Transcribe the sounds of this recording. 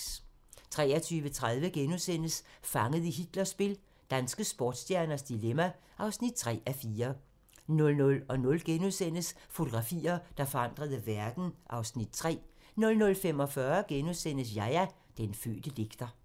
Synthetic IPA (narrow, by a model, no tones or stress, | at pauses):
t͡sʰʁɛ̰ːɐt͡sʰyːʋət͡sʰʁað̞ˠʋəɡ̥enuðˠsen̰əsfɑ̈ŋəð̩ˠiɦid̥lɐsb̥e̝l | d̥ænsɡ̥əsb̥ɒ̰ːd̥sd̥jæɐnɐsd̥ilemæ | ʔɑ̈ʊsnid̥̚t͡sʰʁɛ̰ːæfiːɐ | nɔ̽lnɔ̽lɒ̽nɔ̽lɡ̥enuðˠsen̰əsfo̝t͡sʰo̝ɡ̥ʁɑ̈fḭːɐd̥ɑ̈fɒ̽ɑ̈n̰d̥ʁɐð̞ˠəʋæɐd̥n̩ʔɑ̈ʊsnid̥t͡sʰʁɛ̰ː | nɔ̽lnɔ̽lfem̰ɒ̽fɶɐɡ̥enuðˠsen̰əs̬jɑɪæ | d̥enfø̰ːd̥əd̥e̝ɡ̥d̥ɐ